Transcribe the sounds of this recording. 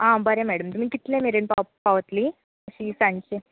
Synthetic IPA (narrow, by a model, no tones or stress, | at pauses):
ãbəɾemɛɽəmt̪umiːkit̪lẽmeɾəɳpapaʋət̪li | əɕisãnɕe